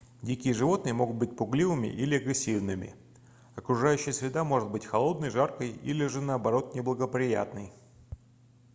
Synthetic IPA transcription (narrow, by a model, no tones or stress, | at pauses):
dʲikʲɪjəʐɨvo̞t̪nɨjəmo̞ɡʊt̪̚bɨt̚ʲpʊɡlʲivɨmʲɪ̰ʔilʲɪɐɡɾʲɪsʲːivnɨmʲɪ̰ | ɐkɾʊʐajʉɕːɪjəsvʲɪd̪amo̞ʐɨt̪̚bɨtʲxɐlˠo̞d̪nəjʐarkəjḭlʲɪʐɨnəɐbɐɾo̞t̪nʲɪblˠəɡəpɾʲɪja̰t̪nɨj